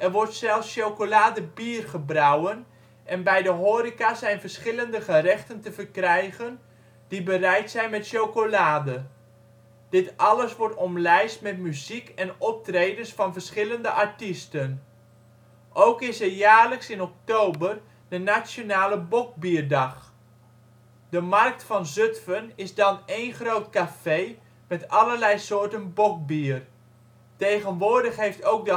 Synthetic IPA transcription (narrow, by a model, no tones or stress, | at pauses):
ʔɛrʋɔɹtsɛlˠfsʃowkolaːdəbiərχəbrawən | ʔɛnbɛjdəɦoːɾikasɛjnvərsχɪləndəχərɛχtəntəvərkrɛjɣən | d̥ibərɛjtsɛjnmɛtʃowkolaːdə | d̥ɪtʔɑləsʋɔɹtɔmlɛjstmɛtmyzikɛnɔp̚trejdəsfɑnvəɹsχɪləndəʔaɹtistən | ʔowkɪsəjaːɹləksɪnɔk̚towbər | d̥ənasjonaːləbɔk̚biːrdɑχ | dəmɑrk̚tfɑnzøtfənɪzdɑnejnχrowtkafej | mɛtɑləɹlɛjsoːɹtənbɔk̚biər | tejχənʋʊːɹdəχɦejftowk̚də